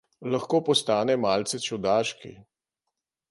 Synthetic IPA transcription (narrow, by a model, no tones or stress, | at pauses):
laxkoːpɔst̪aːnɛmaːlt̪sɛt͡ʃɔd̪aːʃkḭ